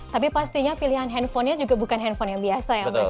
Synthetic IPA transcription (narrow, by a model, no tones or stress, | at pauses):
t̪ap̬ipast̪iɲapiliɦanɦɛnfɔnɲad͡ʒuɡabukanɦɛnfɔnjaŋbiasaja